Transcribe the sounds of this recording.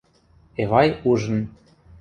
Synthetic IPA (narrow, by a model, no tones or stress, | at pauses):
eβɑjuʒə̆n